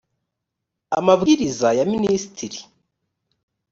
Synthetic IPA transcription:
a̰mavuiɾizajaminisi̥tʰiɾi

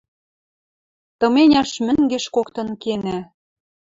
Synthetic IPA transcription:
t̪ɤ̆menʲɑʃmɘ̆ŋɡĕʃkokt̪ɤ̆nkenæ

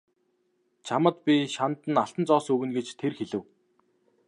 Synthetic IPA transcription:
t͡ɕʰamə̆t̪pʲiʃant̪ə̆naɬt̪ə̆nt͡sɔːsɵɣɘ̆nɡet͡ɕt̪ʰerxeɮɘ̆w

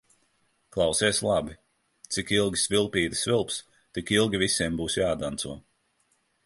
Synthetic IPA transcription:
klˠawsiɛslˠabi | t̪sikilˠɡʲi̥svilˠpiːd̪ɨ̥svilˠps | t̪ikilˠɡʲivisʲiɛmbuːsjaːd̪ant̪suɔ

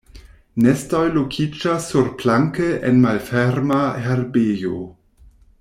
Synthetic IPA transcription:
nestojlokʰid͡ʒasːuɾplaŋkeʔenmalfeɾmaheɾbejo̰

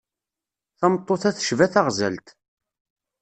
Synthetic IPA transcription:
θæmt̪ˤːoθæθə̥ʃvæθæʁzæ̰lt̪

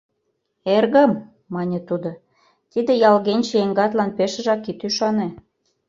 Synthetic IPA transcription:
erɣə̆mː | ɑnʲĕt̪ud̪o | t̪id̪ĕjɑlɣenʲt͡ɕeeŋɡɑt̪lɑnpeʃə̆ʒɑkːit̪yʃɑne

